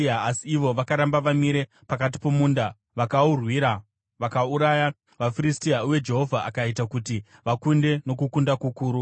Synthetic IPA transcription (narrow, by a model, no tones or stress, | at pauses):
aasiːʋo̞ʋakaɾambaʋamiɾe̞ | pakat̬i̥pomuːnda | ʋakaurwiːɾa | ʋakauɾaja | ʋafiɾistiauwe̞d͡ʒe̞ɦo̞vʱaʔakait̬akuti | ʋakunde̞no̞kukundakukuːɾu